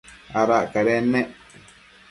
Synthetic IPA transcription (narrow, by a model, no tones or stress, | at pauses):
aɾakaɾɛmɛ